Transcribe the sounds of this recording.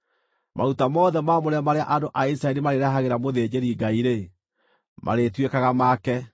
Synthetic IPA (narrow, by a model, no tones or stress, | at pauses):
mʔa̰utamɔðɛmamoɾamaɾeaʔadoʔaisɾaɛɾimaɾeɾaɦaɣeɾamoðeːd͡ʑeɾiɡaiɾe | mʔa̰ɾetwekaɣamakɛ